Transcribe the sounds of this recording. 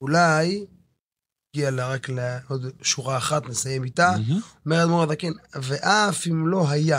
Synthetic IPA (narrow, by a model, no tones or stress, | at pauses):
ulaj | ɡialeʁakleod̪ʃuʁaːχat̪nesajemit̪aomeʁetmoʁed̪akenveʔafimlo̞ɦaja